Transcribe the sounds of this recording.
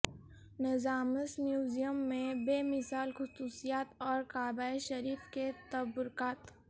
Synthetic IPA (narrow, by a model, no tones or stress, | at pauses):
nɐzaːməsmjuːzijəmːẽbeːmɪsaːlxʊsuːsijaːt̪ɔːɾkaːbaːeʃɐɾiːfket̪ɐbʊɾkaːt̪